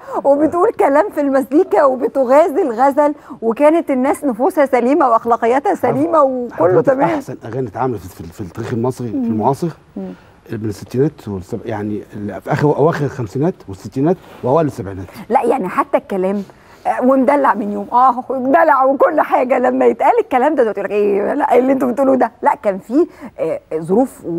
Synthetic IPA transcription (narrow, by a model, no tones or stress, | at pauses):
webet̪ʔuːlkælæːmfilmæsliːkæwebet̪oɣæːzilɣæzælwekæːnet̪enːæːsnofuːshæsæliːmæweʔɑxlɑːqejːæːt̪hæsæliːmæwekolːot̪æmæaːħsænʔæɣæːnt̪ʕaːmælfffit̪ːˤæɾiːxelmɑsˤɾifilmoʕɑːsˤɨɾ | ʔemenesːet̪ːiːnæːt̪wesæbja̰ʕnielfʔæxʔæwæːxeɾelxæmsiːnæːt̪wesːet̪ːiːnæːt̪weʔæwæːlesːæbʕiːnæːt̪læʔjaʕniħat̪ːækːælæːm | wend̪ælːaʕmenjoːmʔæːwnd̪ælaʕwekolːħaːɡælæmːæjet̪ʔæːlekːælæːmd̪æt̪ot̪ʔulːækʔeːlæʔelːʔent̪ombet̪ʔuːlud̪ælæʔkæːnfiː | zˤoɾuːf